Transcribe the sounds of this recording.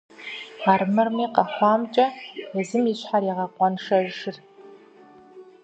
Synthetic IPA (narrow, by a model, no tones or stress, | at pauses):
armɨrmiːqɑχʷɑːmt͡ʃʼɐɛzɨmiɕħaɾiʁɐqʷʼɔnʂɐʒʂɪr